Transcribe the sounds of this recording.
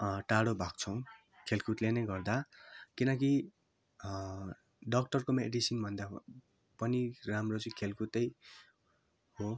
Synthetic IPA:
ʈaɽobʱak̚t͡sʰʌw̃ | kʰelkut̪lenejɡʌrd̪akinʌk̬i | ɖʌk̚ʈʌrkomḛɖisinbʱʌnd̪a | pʌniramrot͡sʌĩkʰelkut̪ʌj | ho

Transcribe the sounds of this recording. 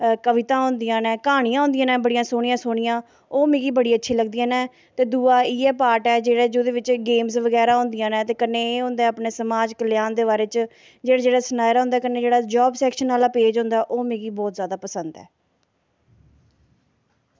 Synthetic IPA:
kəʋɪt̪ãːɦõʊ̃nd̪ɪjãːnɛ̃ːkaːɽ̃ijãːɦʊ̃nd̪ɪjãːnɛ̃ːbəɽijãːsoːɽ̃ijãːsoːɽɪjãː | oːmẽːɡiːbəɽiːətːʃʰiːləɡd̪ijãːnɛ̃ː | t̪eːd̪uːaːiːɛːpaːɾʈɛːd͡ʒeːɽeːd͡ʒoːd̪eːʋɪt͡ʃɡeːmzʋəɡɛːɾaːɦʊ̃nd̪ɪjãːnɛ̃ːt̪eːkəneːɦʊ̃nd̪ɛːaːpneːsəmaːd͡ʒkəlɪjaːnd̪eːβaːɾeːt͡ʃ | d͡ʒeːɽaːd͡ʒeːɽaːsənaːjɾaɦʊ̃ːnd̪aɛːkəneːd͡ʒeːɽaːd͡ʒɔːbsɛːkʃənːaːlaːpeːd͡ʒɦʊ̃nd̪aːɛʔoːmẽːɡiːbɔːt̪zjaːd̪aːpəsənd̪ɛ̰ː

